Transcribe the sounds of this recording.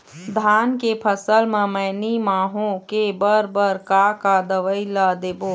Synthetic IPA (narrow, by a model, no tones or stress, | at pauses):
d̪ʱaːnkepʰəsəlmə̃məːnimaːɦõkebəɾbəɾkakad̪əʋəilad̪eːboː